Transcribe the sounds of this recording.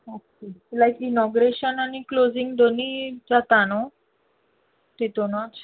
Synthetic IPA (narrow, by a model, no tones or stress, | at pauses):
atːilajkinɔɡɾeɕənaniklozĩŋɡd̪onid͡zat̪ano | t̪it̪onɔt͡s